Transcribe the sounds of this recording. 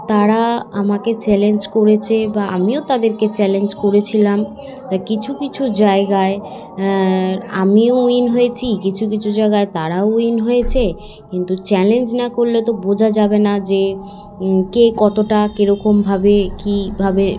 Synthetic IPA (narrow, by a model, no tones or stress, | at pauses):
t̪aɾaamaket͡ɕɛlend͡ʑkoɾet͡ɕʰebaa̰miot̪ad̪eɾket͡ɕɛlend͡ʑkoɾet͡ɕʰilam | akit͡ɕʰukit͡ɕʰud͡ʑaeɡae | a̰miouinɦojet͡ɕʰikit͡ɕʰuk̬it͡ɕʰud͡ʑaeɡaet̪aɾaouinɦojet͡ɕʰe | kint̪ut͡ɕɛlend͡ʑnakoɾlet̪obod͡ʑʱad͡ʑabenad͡ʑe | kekɔt̪oʈakeɾɔkombʱabekibʱabe